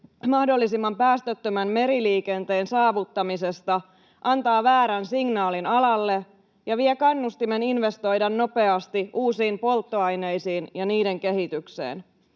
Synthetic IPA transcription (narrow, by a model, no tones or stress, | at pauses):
mɑhdo̞lːisimːɑmpæːst̪øt̪ːømæmme̞ɾiliːke̞nt̪e̞ːnsɑːʋut̪ːɑmise̞st̪ɑ | ʔɑnt̪ɑːʋæːɾænsiŋnɑːlinɑlɑlːe̞ | jɑʋiekɑnːust̪ime̞ninʋe̞st̪o̞jdɑnːo̞pe̞ɑst̪iʔuːsiːmpo̞lt̪ːo̞ɑjne̞jsiːnjɑniːde̞ŋke̞ɦit̪ykse̞̰ːn